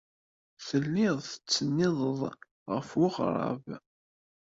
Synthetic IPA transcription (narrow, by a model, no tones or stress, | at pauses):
θəlːɪðˤθə̥t͡sːənːɪðˤəðˤ | ʁəfwʊʁɾˤɑ̰v